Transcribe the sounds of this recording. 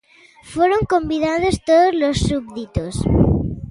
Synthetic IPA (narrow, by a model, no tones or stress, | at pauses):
fwoɾoŋkõmbiðað̞ost̪oðozlosːubðit̪os